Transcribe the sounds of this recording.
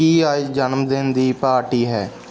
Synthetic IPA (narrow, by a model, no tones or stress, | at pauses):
iːəd͡ʒd͡ʒənmd̪end̪iːpaːɾʈiːɦɛː